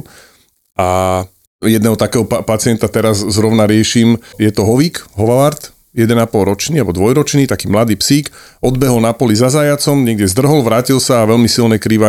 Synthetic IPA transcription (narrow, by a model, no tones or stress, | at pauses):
ʔa | jɛd̪nɛɦɔt̪akɛːɦɔpat͡sɪɛnt̪at̪ɛɾazzɾɔʊnaɾɪɛʃiːmjɛt̪ɔɦɔʋiːkɦɔʋaʋaɾt̪ | jɛd̪ɛnapɔlɾɔt͡ʃniːabɔd̪ʋɔjɾɔt͡ʃniːt̪akiːmlad̪iːpsiːk | ɔd̪bɛɦɔlnapɔlizazajat͡sɔmɲɛɡ̚d̪jɛzd̪r̩ɦɔlʋɾaːcilsaːʋɛlmisilnɛkɾiːʋa